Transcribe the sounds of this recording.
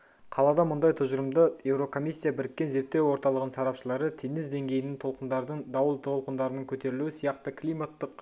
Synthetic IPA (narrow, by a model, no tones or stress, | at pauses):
qʰɑlˠɑd̪ɑmʊnd̪ɑjt̪ʰʊzəɾəmd̪əje̞wɾo̞kʰo̞mijsʲːijabɪɾɪkʲːe̞nze̞ɾt̪ːe̞wo̞ɾt̪ɑlˠəʁənsɑɾɑpʃəlˠɑɾət̪ʰenɪzd̪e̞ŋɡʲe̞jɪnɪŋt̪ʰolˠqənd̪ɑɾd̪əɴd̪ɑwəlˠʰolˠqənd̪ɑɾənəɴkʲʰɵt̪e̞ɾɪluɪsijɑqt̪əkʰlʲijmat̪ːəq